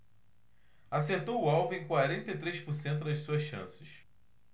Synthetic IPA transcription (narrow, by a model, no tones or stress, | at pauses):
aseɾt̪owʊawvʊẽj̃kwaɾẽnt̪ɐit̪ɾejʃpoɾsẽnt̪̬ʊd̪ɐssuɐʃʃɐ̰̃sɪʃ